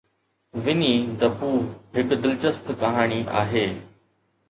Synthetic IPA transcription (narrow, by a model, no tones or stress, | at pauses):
ʋɪniːd̪ɐpuːɦɪkd̪ɪlt͡ʃəst̪ʰkɐɦaːɳ̃iːʔa̰ːɦeː